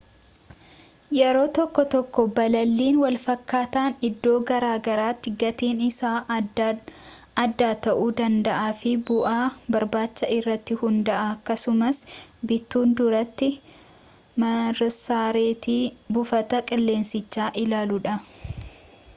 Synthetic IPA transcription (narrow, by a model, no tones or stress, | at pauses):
jɛɾo̞ːt̪ɔkːɔt̪ɔkːɔbɐlɐlːiːnwɐlfɐkːaːt̪aːnɪd̪ːo̞ːɡɐɾaːɡɐɾaːt̪ːɪɡɐt̪iːnɪsaː | ɐd̪ːaːt̪ɐʔuːd̪ɐnd̪ɐʔaːfɪbʊʔaːbɐɾbaːt͡ʃːɐɪrːɐt̪ːɪhʊnd̪ɐʔɐːkːɐsʊmɐsbɪt̪ːuːnd̪ʊɾɐt̪ːɪ | mɐɾsaːɾeːt̪iːbʊfɐt̪ɐkʼɪlːe̞ːnsɪt͡ʃːaːʔɪlaːlʊᶑɐ